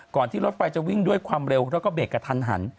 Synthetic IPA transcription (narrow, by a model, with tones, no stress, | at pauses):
kɔː˨˩nt̪ʰiː˥˩ɾo˦˥t̪̚fa˧jt͡ɕa˨˩wi˥˩ŋdu˥˩əjkʰwaː˧mɾe˧wɾɛ˦˥wkɔː˥˩beː˨˩t̚kːa˧t̪ʰa˧nɦa̰˩˦n